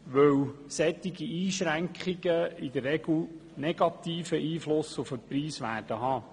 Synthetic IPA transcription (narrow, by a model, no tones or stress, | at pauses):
ʋœwsɛt̪ːɪɡ̥iiːʃɾæŋkχiɡəid̪ərːɛɡl̩nɛɡɑt̪iːfəʔiːflʊsufəpɾiːsʋæːɾd̥əɦɑː